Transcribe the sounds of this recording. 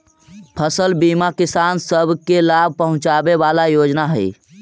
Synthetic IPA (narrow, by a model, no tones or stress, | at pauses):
pʰəsəlbimakisansəbʱkelab̚ʱpəɦʊ̃t͡ʃabebalajod͡ʒnaɦəj